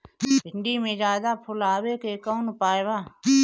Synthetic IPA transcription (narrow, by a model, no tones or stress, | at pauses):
bʱɪɳɖiːmẽːd͡ʒaːd̪aːpʰʊlaːweːkekɔːnʊpaːebaː